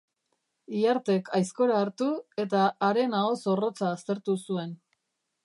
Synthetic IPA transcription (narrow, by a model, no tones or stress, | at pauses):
iaɾt̪e̞kʰajsko̞ɾaːɾt̪ue̞t̪aːɾe̞nao̞so̞ro̞t͡saːst̪e̞ɾt̪usue̞n